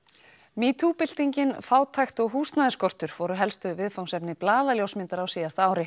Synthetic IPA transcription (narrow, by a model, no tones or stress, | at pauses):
miːt̪ʰupɪl̥t̪iɲcɪnfaːwt̪ʰajxt̪ɔɣɦuːst̪naːɪskɔr̥t̪ʏɾ̥vɔɾʏɦɛlst̪ʏvɪðfawŋsɛpnɪplaːðaljowsmɪnt̪aɾawsiːðast̪aːwɾɪ